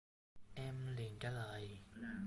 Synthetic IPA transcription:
ʔɛ˧mli˨˩ənt͡ɕaː˧˩ləː˨˩j

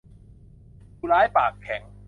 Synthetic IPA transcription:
juː˧laː˦˥jpaː˨˩kʰːɛ˨˩˦ŋ

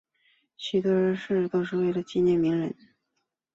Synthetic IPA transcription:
ɕy˨˩t̪ɤ˧˥ɻə˧˥nʂɻ̩˥˩˧t̪o˥ʊʂ̬ɻ̩˥˧we˥˩ɪlə˩t͡ɕi˥˧njɛ˥˩nmi˧˥ŋɻə̰˧˥n

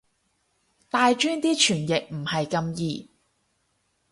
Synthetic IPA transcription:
t̪aː˨˧jt͡ʃyː˥nt̪iː˥t͡ʃʰyː˨˩njɪ˨k̚m̩˨˩hɐ˨jkɐ˧mjiː˨

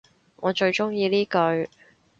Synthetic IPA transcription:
ŋɔː˨˧t͡ʃɵ˧ɥt͡ʃʊ˥ŋjiː˧liː˥kɵ˧ɥ

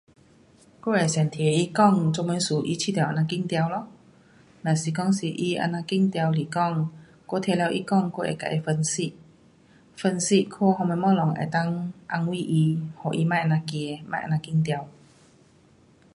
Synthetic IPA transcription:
ko˧˥˨e˨˩sa˨˩nt̪ʰe˨˩i˧kɔ˥˧ŋt͡so˧ŋmə˧˦su˨˩ʔi˧t͡ɕʰi˧˩t̪jʔa˧˩nã˧ki˥˧˨ŋt̪ja˧wlɔ˧˦ | nã˨˩si˨˩kɔ˥˩ŋsi˨˩ʔi˧ʔa̰˧˨nã˧ki˥˧˨ŋt̪ja˧wli˨˩kɔ˥˨ŋ | ko˥˧t̪ʰjɛ˧lja˧wʔi˧kɔ˥˧ŋko˥˧ḛ˨˩ka̰˨˩ʔe˧fə˧nsi˧˨ | fə˧nsi˧kʰo˧hɔ˧mɛ˧mɔ˧lɔ˨˩˦ŋḛ˨˩t̪a˥˨ŋʔa˧ŋwi˥˧˨ʔi˧hɔ˨˩ʔi˧mã˥˩˨ʔa˧na˧ke˧ma̰˥˧˨ʔa̰˧˩nã˧ki˧˥˩ŋt̪ja˧w

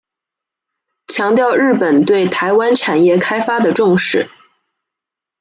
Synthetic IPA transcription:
t͡ɕʰjɑ˧˥ŋt̪jɑ˥˧ʊɻɻ̩˥˩pə˨˩nt̪we˥˩ɪt̪ʰa˧˥ɪwa˥nʈ͡ʂʰa˨˩njɛ˥˩kʰa˥ɪfa˥d̪ə˨ʈ͡ʂʊ˥˧ŋʂɻ̩˥˩

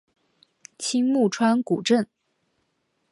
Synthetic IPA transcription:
t͡ɕʰi˥ŋmu˥˩ʈ͡ʂʰwa˥nku˨˩ʈ͡ʂə˥˩n

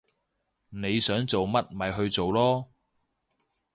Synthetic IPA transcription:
ne˨˧jsœː˨˥ŋt͡so˨wmɐ˥t̚mɐ˨jɦɵ˧ɥt͡so˨wlɔː˥

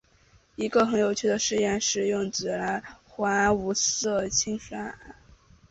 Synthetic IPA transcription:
i˧˥ɡə˧xə˧˥njo˨˩ʊt͡ɕʰy˥˩d̪ə˩ʂɻ̩˥˧jɛ˥˧nʂɻ̩˥˧jʊ˥˩ŋt͡sɹ̩˨˩la˧˥xwa˧˥a˧˥wu˧˥sɤ˥˩t͡ɕʰi˥ŋʂa˥a˥˩˦

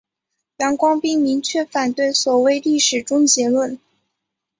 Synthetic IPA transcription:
jɑ˧˥ŋkwɑ˥ŋpi˥˩ŋmi˧˥ŋt͡ɕʰɥɛ˥˩fa˨˩nt̪we˥˩ɪswɔ˨˩we˥˧ɪli˥˩ʂɻ̩˨˩ʈ͡ʂʊ˥ŋt͡ɕjɛ˧˥lwə˥˩n

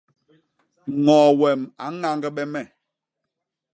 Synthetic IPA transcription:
ŋɔː˨wɛ˨ma˨˦ŋa˦ŋɡɛ˦ɓɛ˦mɛ˨

